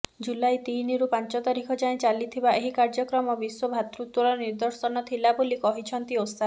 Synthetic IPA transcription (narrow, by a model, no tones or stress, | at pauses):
d͡ʒulajt̪iniɾupant͡ʃɔt̪aɾikʰɔd͡ʒaẽt͡ʃalit̪ʰibaeɦikaɾd͡ʒɔkɾɔmɔbiswɔbʱat̪ɾut̪wɔɾɔniɾd̪ɔɾsɔnɔt̪ʰilabolikɔɦit͡ʃʰɔnt̪iosa